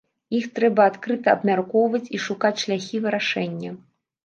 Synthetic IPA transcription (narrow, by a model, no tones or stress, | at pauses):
ixt̪ɾɛbɐat̪kɾɨt̪ɐɐ̰bmʲarkɔwvɐt͡sʲiʂukat͡sʲʂlʲaxʲivɨɾaʂɛnʲːɐ